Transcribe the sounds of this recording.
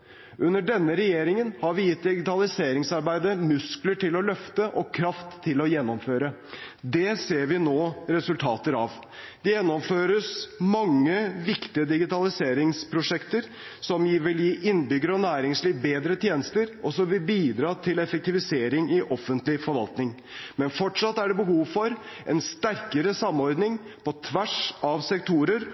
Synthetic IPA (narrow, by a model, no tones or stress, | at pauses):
ʉnːəɖɛnːəɾɛjeːɾɪŋənhɑɾʋɪjɪt̪̚ːd̪ɪɡɪt̪ɑlɪseːɾɪŋsɑɾbæɪd̪əmʉskləʈɪlɔlœft̪əʔɔkʰɾɑft̪ʰːɪlɔjɛnːɔmføːɾə | d̪ɛseːɾʋɪnoːɾɛsʉlt̪ʰɑːt̪əɾɑʋ | d̪̥ɛjɛnːɔmføːɾəsmɑŋːəʋɪkt̪ɪəd̪ɪɡɪt̪ɑlɪseːɾɪŋspʰɾʊʂɛkt̪əɾ | sɔmjiːʋɪljiːʔɪnbʏɡəɾəɔnæːɾɪŋsliːʋbeːd̪ɾət̪ʰjeːnəst̪əɾɔsɔmʋɪlbiːd̪ɾɑːt̪ʰɪlɛfɛk̚t̪ɪʋɪseːɾɪŋɪʔɔfːənt̪lɪfɔɾʋɑ̰lt̪nɪŋ | mɛnfɔʈʂɑt̪ːæɖɛbəɦuːʋfɔɾ | ʔɛnst̪æɾkəɾəsɑmːɔɾd̪nɪŋ | pʰɔt̪ʰʋæʂɑʋsɛkt̪ʰuːɾəɾ